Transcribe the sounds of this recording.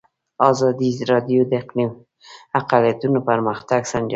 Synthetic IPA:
ɑzɑd̪izɾɑd̪jod̪əɪqnim | aqalijat̪unopaɾməxt̪aɡsaɳd͡ʒa

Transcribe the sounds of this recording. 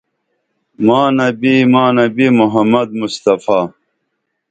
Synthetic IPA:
maːnɐbimaːnɐbimuɦɐmːɐd̪̚must̪ɐfaː

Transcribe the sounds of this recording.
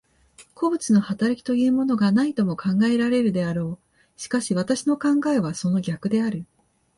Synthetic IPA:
kʰo̞bɯ̟t͡sɨno̞hat̪aɾakʲi̥t̪o̞jɯ̟ːmo̞no̞ɡanait̪o̞mo̞kʰãŋɡae̞ɾaɾe̞ɾɯ̟d̪e̞aɾo̞ː | ɕi̥kaɕiβ̞at̪aɕino̞kãŋɡae̞β̞aso̞no̞ɡʲakɯ̟d̪e̞aɾɯ̟

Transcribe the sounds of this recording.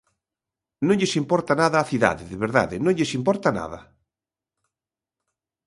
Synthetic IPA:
nõnʎesimpɔɾt̪anaðaːθiða̰ðɪðeβeɾða̰ðɪnõŋʎesimpɔɾt̪ana̰ða̰

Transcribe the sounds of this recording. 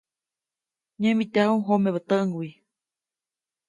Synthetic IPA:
ɲẽmbit̪ahũɦomeβət̪əʔŋwi

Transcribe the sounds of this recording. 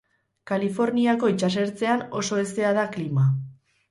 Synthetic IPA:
kalifo̞ɾniako̞it͡ʃas̬e̞ɾt͡se̞ano̞so̞e̞st̪e̞að̞aklima

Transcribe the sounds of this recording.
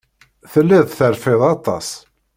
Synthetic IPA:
θəlːɪðˤθəɾfɪðˤɑt̪ˤːɑ̰s

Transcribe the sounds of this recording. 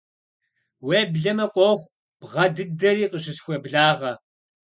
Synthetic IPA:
weːbɮɐmɐqʷʼɔχʷ | b̥ʁɐdɨdɐɾiːqəɕɪsxʷɔbɮaːʁɐ

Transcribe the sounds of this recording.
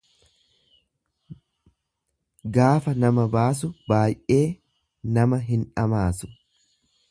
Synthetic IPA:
ɡaːfɐnɐmɐbaːs̬ʊbaːjʔe̞ː | nɐmɐɦɪnᶑɐmaːsʊ̥

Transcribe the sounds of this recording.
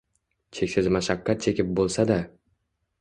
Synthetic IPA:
t͡ʃʰe̞kʲsɪzmaʃakʲːat̪̚t͡ʃʰe̞kʲɪp̚bolˠsad̪a

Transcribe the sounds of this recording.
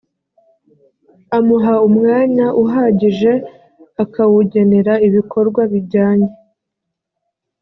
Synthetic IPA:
amuɦaumŋaːɲaʔuɦaːɟiʒe̞ | akawuɟe̞ne̞ɾaiβikʰo̞ɾɡwaβiɾɟaːɲe

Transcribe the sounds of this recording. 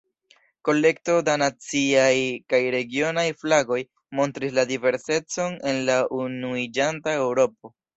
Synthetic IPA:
ko̞le̞k̚to̞danat͡siajkajɾe̞ɡio̞najflaɡo̞j | mo̞ntɾisladive̞ɾse̞t͡so̞ne̞nlaʔunuid͡ʒantae̞wɾo̞p̚o̞

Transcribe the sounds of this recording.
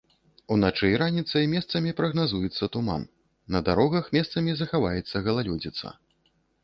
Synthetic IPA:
unat͡ʂɛjɾanʲit̪sɐjmʲɛst̪sɐmʲipɾɐɣnazujɛt̪sːɐt̪uma̰nː | ɐd̪aɾɔɣɐxmʲɛst̪sɐmʲizɐxavajɛt̪sːɐɣɐlˠalʲɔd͡zʲit̪sɐ̰

